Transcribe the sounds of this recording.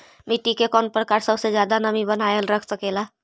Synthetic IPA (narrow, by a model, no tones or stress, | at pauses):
miʈikekɔnpɾəkaɾsəbsed͡ʒjad̪anəmibənajelɾəkʰsəkela